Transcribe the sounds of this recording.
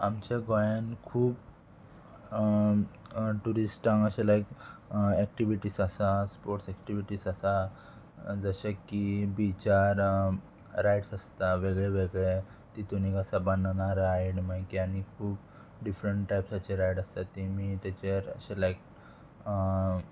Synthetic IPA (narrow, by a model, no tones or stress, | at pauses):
amt͡ɕaɡojankʰuːp | ʈuɾisʈãŋɡəɕelajkɛk̚ʈiʋiʈiːsəsaspoɾʈsɛkʈiʋiʈisəsa | d͡zəɕakibit͡ɕaɾ | ɾajʈsəst̪aʋeɡɭeʋeɡɭet̪it̪unikəsaband̪naɾajɽmajkianikʰuːp | ɖifɾəɳʈʈːajpsat͡ɕeɾajɽəst̪at̪imit̪at͡ɕeə̰ɕelajk̚